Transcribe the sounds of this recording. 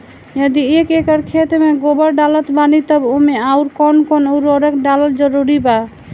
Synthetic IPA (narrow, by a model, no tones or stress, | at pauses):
jəd̪iekekəɾkʰet̪meɡobəɾɖalət̪banit̪əbomeauɾkɔnkɔnuɾoɾəkɖaləld͡ʒəɾuɾiba